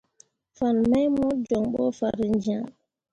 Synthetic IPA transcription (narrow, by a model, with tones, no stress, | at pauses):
fa˨nma˦jmu˦d͡ʒɔ˨ŋɓɔ̰˦fa˨ɾi˨nd͡ʒi˨ã˨